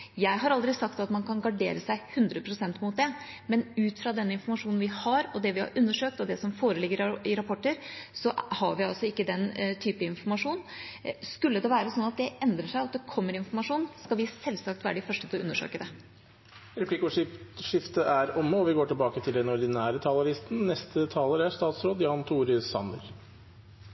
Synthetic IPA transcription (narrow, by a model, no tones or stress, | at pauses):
jæɪɦɑɾɑld̪ɾɪsɑkt̪ɑt̪mɑnkʰɑnɡɑɖeːɾəsæɪhʉnd̪ɾəpʰɾʊsɛnt̪mʊt̪̚d̪ɛ | mɛnʉːt̪fɾɑd̪ɛnːɪnfɔɾmɑʂuːnn̩ʋɪhɑɾɔd̪ɛʋɪhɑ̰ɾʔʉnːəʂøːk̚t̪ɔd̪ɛsɔmfoːɾəlɪɡːəɾɪɾɑpʰɔʈːəɾsɔhɑɾʋɪɑlsɔɪkːəd̪ɛnt̪ʰyːpəɪnfɔɾmɑʂuːnskʉlːəd̪ɛʋæːɾəsɔnːɑt̪̚d̪ɛʔɛnd̪ɾəʂæɪɑt̪̚d̪ɛkʰɔmːəɾɪnfɔɾmɑʂuːnskɑʋɪsɛlːsɑk̚t̪ʋæ̰ːɾəɖɪfœʂʈət̪ʰʔʉnːəʂø̰ːkəd̪ɛ | ɾɛpʰlikʊʂɪʂɪft̪əʔæɾʊmːəɔʋɪɡoːʈɪlbɑːkət̪ʰɪld̪ɛnɔɾd̪ɪnæːɾət̪ʰɑːlɑʋɪst̪n̩nɛst̪ʰət̪ʰɑːləɾæʂt̪ɑːt̪sɾoːd̪jɑːnt̪ʰuːɾsɑ̰nə̰ɾ